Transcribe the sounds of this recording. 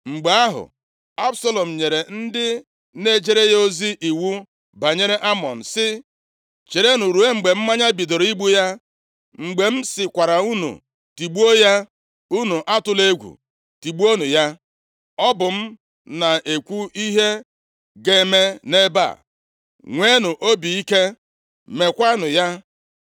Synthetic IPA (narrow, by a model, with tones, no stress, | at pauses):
ŋ͡m̩˨ɡ͡be˨a˦ɦʊ̰˨ | a˦bsa˦lɔ˨m̩˨ɲe˨ɾe˨n̩˦dɪ˦ | ne˦˨d͡ʒe˦ɾe˦jo˦zi˦ʔi˨wu˦ | ba˨ɲe˦ɾe˦ʔa˦mɔ̰˨n̩˨sɪ˦ | t͡ʃe˨ɾe˦nu˨ɾu˨e˦ŋ͡m̩˨ɡ͡be˨m̩˦ma˦ɲa˦bi˨do˨ɾi˦ɡ͡bu˦ja˦ | ŋ͡m̩˨ɡ͡be˨m̩˦sɪ˨kʷa˨ɾa˨u˦nṵ˨ | ti˨ɡ͡bu˦o˦ja˦ | u˦nu˨ʔa˦tʊ˨le˦ɡʷṵ˨ | ti˨ɡ͡bu˦o˦nu˨ja˦ | ɔ˦bʊ˨m̩˦ | na˨ʔe˨kʷu˦i˦ɦe˦ | ɡe˨˦me˦ne˦ba̰˦˨ | ŋʷe˦nʊ˨ʔo˦bi˨i˦ke˦ | me˨kʷa˦nʊ˨ja˦